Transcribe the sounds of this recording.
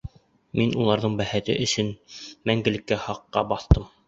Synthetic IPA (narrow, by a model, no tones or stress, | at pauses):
minulˠɑɾðɤɴbæhæt̪ɘ̰ʔɵ̆sɘnmæŋɡɘ̆lɘ̆kːæhɑqːɑ̰bɑθt̪ɤm